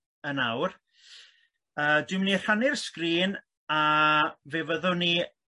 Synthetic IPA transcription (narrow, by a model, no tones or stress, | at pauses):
ənawr | əːdwɪmnir̥anɪrskriːn | aveːvəðʊni